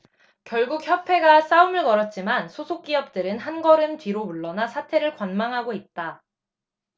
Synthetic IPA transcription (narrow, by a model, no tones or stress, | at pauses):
kjʌɭɡuk̚çjʌpʰe̞ɡas͈aumɯɭkʌɾʌt̚t͡ɕ͈imansʰosʰok̚k͈iʌp̚t͈ɯɾɯnhanɡʌɾɯntɥiɾomuɭːʌnasʰatʰe̞ɾɯɭkwanmaŋɦaɡoit̚t͈a